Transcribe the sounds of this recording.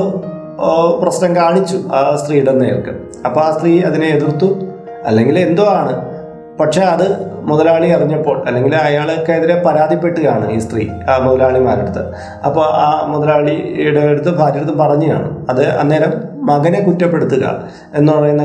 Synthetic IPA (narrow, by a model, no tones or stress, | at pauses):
prɐsnɐmkaːɳit͡ɕːuaːst̪riːuɽenːeːjɐ̰rkɨ̰ | ɐpːoːɭaːst̪riːɐðineːðirt̪ːu | ɐ̰lːe̞ŋɡile̞nd̪o̞ːaːɳɨ | pɐʈʂe̞ɐðɨmuðɐlaːɭikɐriɲːɐpːo̞ːɭɐlːe̞ŋɡilɐjaːɭokːeɐðiɾe̞pɐɾaːd̪ipːe̞ʈːuɣaːɳɨ̰ḭːst̪rḭːmuðɐlaːɭimaːɾeɽut̪ːɨ̰ | ɐpːoːʔaːmuðɐlaːɭiuɽeɽut̪ːɨbʱaːɾjɐɾɐt̪ːumpɐrɐɲːɨja̰ːɳɨ̰ɐðɨɐ̰nːe̞ːɾɐmːɐɣɐnekutːɐpːe̞ɽut̪ːuɣɐ̰ | e̞nːuɐɳɐenː